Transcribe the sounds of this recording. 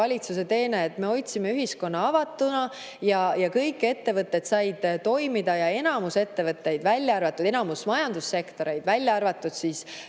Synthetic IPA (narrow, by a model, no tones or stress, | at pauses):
ɑlʲit̪sus̬e̞t̪e̞ːneet̪ːme̞o̞jt̪ʲsimeyɦisko̞nːɑɑvɑt̪ːˑunɑ | jɑjɑkɤjkːˑe̞t̪ːe̞vɤt̪ːˑet̪sɑjd̪̥t̪o̞jmid̪̥ɑjɑe̞nɑmuse̞t̪ːe̞vɤt̪ːˑe̞jd̪vælʲːjɑɑrvɑt̪ːˑud̪enɑmusmɑjɑnd̪̥usːe̞kt̪o̞ɾe̞jd̪vælʲjɑɑrvɑt̪ːˑud̪̥siːs